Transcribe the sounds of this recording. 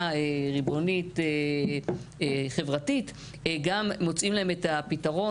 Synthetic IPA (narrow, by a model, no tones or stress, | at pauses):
eʁibo̞nite | χe̞vʁatit | ɡamːo̞t͡simlaeme̞tapitaʁo̞